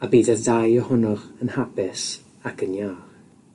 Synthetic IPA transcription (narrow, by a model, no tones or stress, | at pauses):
abiːdədajɔhʊnɔʁənhapɪs | akʰənjaːr